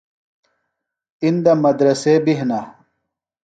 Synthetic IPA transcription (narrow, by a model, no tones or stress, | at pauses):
ind̪ɐmɐd̪ɾɐseːbiɦna